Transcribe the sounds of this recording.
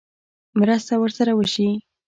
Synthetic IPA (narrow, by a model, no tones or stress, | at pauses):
mɾəst̪awəɾsaɾawəʃi